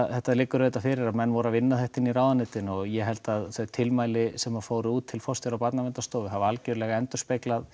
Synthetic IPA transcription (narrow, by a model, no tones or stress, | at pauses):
θɛht̪aðlɪkːʏɾvejt̪afɪɾɪɾaðmɛnːvɔɾavɪnːaðθɛht̪ɪniɾaːwðanɪːt̪ɪnɔɣjɛɦɛlt̪aðθœt̪ʰɪlmaːjlɪsɛmavfoːwɾɪuːt̪ʰːɪlfɔst̪jaɾawpat̪namɛnt̪ast̪oːwvɪɦavɪalcœɾʏlɛɣaɛnt̪ʏ̥spejklað